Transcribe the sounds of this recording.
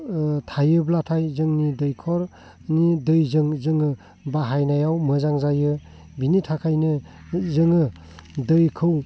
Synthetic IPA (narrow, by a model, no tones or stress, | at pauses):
tʰajɯblatʰajzɯŋnidɯjkʰɔɾ | nidɯjzɯŋzɯŋɯ | baɦajnajawmɯzaŋzajɯ | binitʰakʰajnɯ | zɯŋɯ | dɯjkʰɯw